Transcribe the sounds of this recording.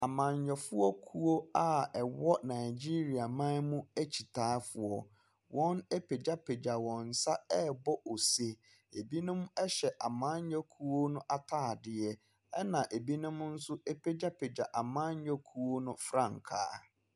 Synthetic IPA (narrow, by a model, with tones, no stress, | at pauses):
a˨mã˨ɲjɔ˨fʊ˦ɔ˦kʰu˦o˦a˨ɛ˨wɔ˦nã˨ɪ˨d͡ʑi˦ɾi˨a˨mã˦n˦mʊ̃˦æ˦t͡ɕʰi˨tʰaː˦fʊ˨ɔ˨ | wɔ̃˦ne˦pʰe˨d͡ʑa˦pʰe˨d͡ʑa˨wɔ̃˨n̩˨sa˦ɛ˦bɔ˦ʔo˨se˦ | e˨bi˦nʊ̃˦m˦ɛ˦ɕɛ˨ʔa˨mã˦ɲ˦ɔ˦kʰu˦wo˦nʊ̃˦ʔa˨tʰaː˦˨dɪ˨ɛ˦ | ɛ˦nã˨ʔe˨bi˦nʊ̃˦m˦n̩˦sʊ˦e˦pʰe˦d͡ʑa˦pʰe˨d͡ʑa˨ʔa˨mã˦ɲ˦jɔ˦kʰu˦wo˦nʊ̃˦fɾã˦˨ŋkʰa̰ː˦